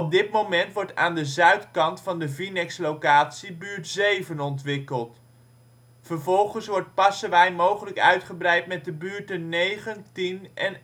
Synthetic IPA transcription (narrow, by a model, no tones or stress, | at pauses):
ɔb̚dɪtmowmɛntʋɔɹta̰ːndəzœɥtkɑntfɑndəvinɛkslowkaːtsibyːɹtsejvənɔntʋɪkəlˠt | fəɹvɔlˠχənsʋɔɹt̚pɑsəʋɛjmowχələkœɥtχəbrɛjtmɛt̚dəbyːɹtənːejχəntinɛn